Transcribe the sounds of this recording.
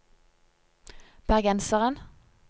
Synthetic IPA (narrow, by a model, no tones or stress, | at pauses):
b̥æʁɡɛnsəʁən